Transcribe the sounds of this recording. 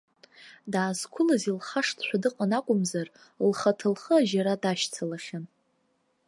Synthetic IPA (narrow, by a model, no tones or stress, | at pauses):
daːzkʷʰʊlazilχaʂtʰʃʷᶣadɨqʼanakʷʼʊmzar | lχatʰɨlχəaʒaɾadaʃt͡sʰalaχʲan